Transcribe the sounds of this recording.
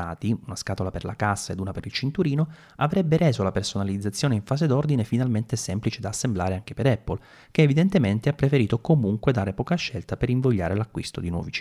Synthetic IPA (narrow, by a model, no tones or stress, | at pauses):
a̰ːt̪iunaskaːt̪olaperlakasːaed̪uːnapeɾilt͡ʃint̪uɾiːno | avɾɛbːeɾɛːzolapersonalid̪zat̪sːjoːneiɱfaːzed̪ord̪inefinalment̪esɛmplit͡ʃed̪aːsːemblaːɾeaŋkepeɾɛpːol | keːvid̪ent̪ement̪eapːɾefeɾiːt̪okomuŋkwed̪aːɾepɔːkaʃːɛlt̪apeɾiɱvoʎːa̰ːɾelakːwḭst̪od̪inwɔ̰vit͡ʃ